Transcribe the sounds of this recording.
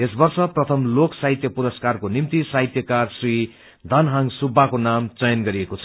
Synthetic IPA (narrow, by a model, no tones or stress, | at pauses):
esbʌrsʌprʌt̪ʰʌmloksajit̪jʌpuɾʌskarkonimt̪isajt̪jʌkarsri | d̪ʱʌnɦaŋsubʱːakonamt͡sʌjʌnɡʌɾiekot͡sʰʌ